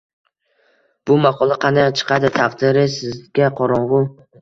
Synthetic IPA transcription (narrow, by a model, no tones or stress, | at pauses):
b̥ʊmaqʰɒlˠaqʰɑnat͡ʃʰɨ̥qʰɑd̪ɪt̪ʰaqd̪ɪɾɪsɪzɡʲaqʰɒɾɒɴʁʊ